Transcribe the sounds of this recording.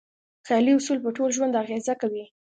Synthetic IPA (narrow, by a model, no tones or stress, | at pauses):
xajliʊsulpəʈolʒwand̪aɣezakawi